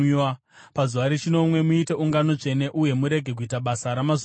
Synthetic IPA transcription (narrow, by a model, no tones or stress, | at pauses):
a | pazuʋaɾet͡ʃino̞mwe̞muite̞uŋɡano̞t͡ʂe̞ne̞ʔuje̞muɾe̞ɡʱe̞k̬uitaɓasaɾamaz